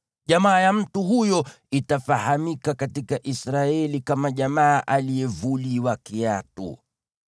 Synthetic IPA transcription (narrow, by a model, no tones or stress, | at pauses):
ʄamaːjam̩tuhujɔ | itafahamikakatikaʔisɾaɛlikamaʄamaːʔalijɛvuliwakiatṵ